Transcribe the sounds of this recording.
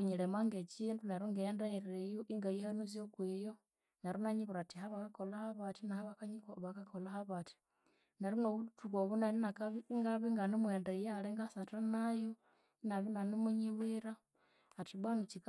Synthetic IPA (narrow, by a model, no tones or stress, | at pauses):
ɲilemaŋɡet͡ʃindunaɾuŋɡendaiɾejoʔiŋɡajihanuzjokwejo | naɾunaɲiβuɾatihaβakakolahaβatinahaβakaɲikoβakakolahaβati̥ | naɾunoβutukoβunaninakaβiŋɡaβiŋɡanimwendejaliŋɡasatanajo | naβinanimuɲiβiɾa | atiβwanut͡ʃik